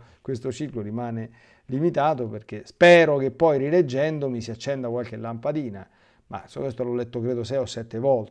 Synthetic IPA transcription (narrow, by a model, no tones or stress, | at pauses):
kwest̪ot͡ʃikloɾimaːne | limit̪aːt̪operk̟espɛːɾok̟epːɔjriled͡ʒːɛnd̪omisiat͡ʃːɛnd̪akwalk̟elːampad̪iːna | ma̰sɔkest̪olɔlːet̪ːokɾeːd̪osɛjɔsːɛt̪ːevɔlt̪